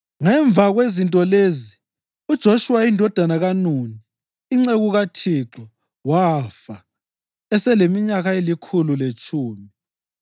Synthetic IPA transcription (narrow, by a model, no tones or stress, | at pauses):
ŋɛɱb̪vʱaɣwezintʼɔlezi | ud̥ʒ̥ʱoʃuwaindʱɔd̥ʱanaɣanuniː | ŋ͡ǀeɣuɣatʰiǁɔ | wafa | ɛsɛlemiɲaɣaelikʰululet͡ʃʼʰuːmi